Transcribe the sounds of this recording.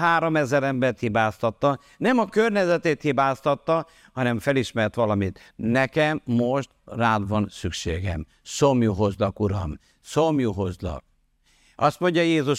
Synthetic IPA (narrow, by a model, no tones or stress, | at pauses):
ɦaːɾo̞mɛzɛɾɛmbɛrt̪hibaːst̪ɒt̪ːɒ | nɛmɒkørɲɛzɛt̪eːt̪hibaːst̪ɒt̪ːɒ | hɒnɛɱfɛliʃmɛrt̪ʋɒlɒmit̪ | nɛkɛmːo̞ʃt̪raːd̪ʋɒnsykʃeːɡɛ̰m | somjuɦozlɒkuɾɒ̰m | somjuɦozlɒ̰k̚ | ɒst̪mo̞ɲɟɒjeːzuʃ